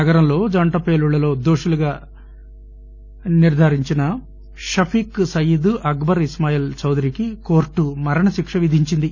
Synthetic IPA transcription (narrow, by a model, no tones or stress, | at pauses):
ɐɡɐɾɐmlo̞ːd͡ʒɐɳʈɐpe̞ːluɭːɐlo̞ːd̪oːʂuluɡaː | niɾd̪ʱɐːɾiɲt͡ʃinɐ | ʃɐpʰiːksɐjud̪uʔɐɡbɐɾismaːjilt͡ʃɐwd̪ɐɾiːkiko̞ːɾʈːumɐɾɐɳɐʃikʂɐʋid̪ʱiɲt͡ʃind̪i